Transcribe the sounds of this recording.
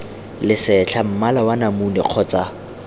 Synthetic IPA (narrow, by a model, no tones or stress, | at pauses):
lɪsɛt͡ɬʰam̩malawanamunɛ̰q͡χʰɔt͡sʼa